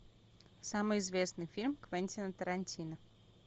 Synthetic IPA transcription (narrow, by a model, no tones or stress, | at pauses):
samɨjɪzvʲe̞snɨjfʲilʲmkvɛnʲtʲɪnət̪əɾɐnʲtʲinə